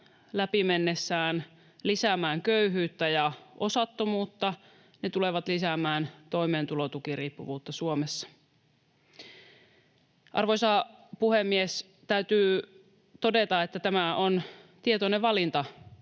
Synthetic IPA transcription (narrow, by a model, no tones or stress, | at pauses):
læpimenːesːæːn | lisæmæːŋkøyɦyːt̪ːæjɑʔo̞sɑt̪ːomuːt̪ːɑ | ne̞t̪uleʋɑt̪lisæmæːnt̪o̞jmeːnt̪ulot̪ukiriːpːuʋuːt̪ːɑsuomesːɑ̥ | ʔɑ̰rʋojsɑpuhemːies | t̪æyt̪yː | t̪o̞det̪ɑet̪ːæt̪æmæont̪iet̪oneʋɑlint̪ɑ